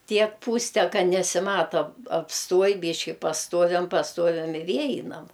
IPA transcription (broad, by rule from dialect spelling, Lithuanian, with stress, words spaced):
ˈtʲiɛk ˈpuːsʲtʲɛ ˈkɐ nʲɛsʲɪˈmɑːtoː ɐpsˈtuɔj ˈbʲiːʃʲkʲɪ pɐsˈtuɔʋʲɛm pɐsˈtuɔʋʲɛm ɪ ˈʋʲiɛ ˈɛɪnɐm